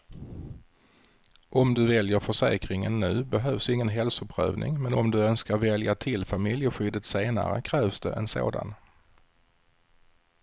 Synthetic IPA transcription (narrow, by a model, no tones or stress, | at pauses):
ʔɔmd̪ɵvɛljəɾfœʂɛ̰ːkɾɪŋənːʉ̟ːbɛɦœːvsɪŋːənɦɛlsʊpʰɾœ̰ːvnɪ̰ŋmɛnʔɔmd̪ɵœnskaɾvɛljat̪ʰɪlfamɪljəɧʏd̪ət̪seːna̰ɾə̰kʰɾɛːvsd̪ɛ̰ʔɛnso̰ːd̪a̰n